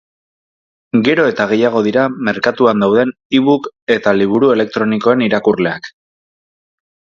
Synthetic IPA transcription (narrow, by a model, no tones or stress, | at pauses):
ɡe̞ɾo̞e̞t̪aɣe̞jaɣ̞o̞ðiɾame̞ɾkat̪uand̪awðe̞n | iβuke̞t̪aliβ̞uɾue̞le̞k̚t̪ɾo̞niko̞e̞niɾakurle̞ak